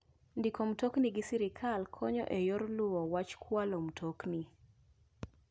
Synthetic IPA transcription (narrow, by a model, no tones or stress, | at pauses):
ndikom̩tokniɡɪsiɾɪkʰalkʰɔɲɔ̰ʔɛjoɾlʊwɔwat͡ʃkʰwalom̩tʰokni